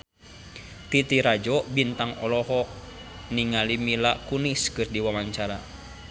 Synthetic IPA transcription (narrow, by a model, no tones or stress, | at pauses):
t̪it̪iɾad͡ʒɔʔbint̪aŋɔlɔɦɔ | niŋalimilakuniskɨrdiwamaɲt͡ʃaɾa̰